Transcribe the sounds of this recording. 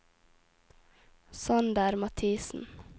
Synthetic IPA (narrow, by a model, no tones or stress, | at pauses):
sɑnd̪æːɾmɑt̪ʰiːsn̩